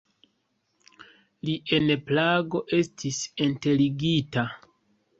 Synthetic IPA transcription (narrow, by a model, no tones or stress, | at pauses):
liʔe̞nplaɡo̞ʔe̞stʰisinte̞liɡita